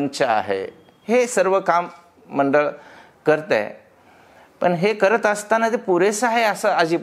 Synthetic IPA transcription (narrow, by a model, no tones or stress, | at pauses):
nt͡ɕaa̰ɦḛ | hesəɾʋəkamː | əɳɖəɭ | kəɾt̪ḛ | pəɳɦekəɾət̪əst̪anat̪epuɾesaɦeəsəəd͡ʑiː